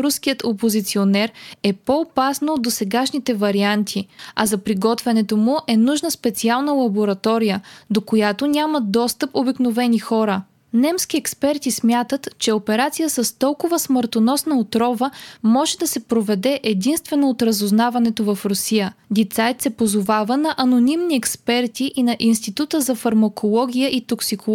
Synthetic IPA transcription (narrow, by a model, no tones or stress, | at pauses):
ɾusk̟ijət̪opozit̪sionɛɾɛpoopasnɐod̪ːosɛɡaʃnit̪ɛvɐɾiant̪ʰiɐzɐpɾiɡɔt̪vɛnɛt̪omʊʔɛnuʒnəspɛt̪sialˠnəlˠɐboɾɐt̪ɔɾijəd̪okojat̪onʲaməd̪ɔst̪əpobiknovɛnixɔɾə | nɛmskʲiɛkspɛɾt̪ismʲjat̪ət̪t͡ʃɛopɛɾat̪sijəsəst̪ɔlˠkʊvəsməɾt̪onɔsnɐot̪ɾɔvəmɔʒɛd̪ɐsɛpɾovɛd̪ɛʔɛd̪inst̪vɛnoot̪ɾɐzoznavɐnɛt̪ovɐfɾʊsijəd̪it̪sajt̪sɛpozovavənɐʔɐnonimniɛkspɛɾt̪iʔinɐʔinst̪it̪ut̪əzɐfɐɾmɐkʰolˠɔɡ̟ʲijəʔit̪oksiko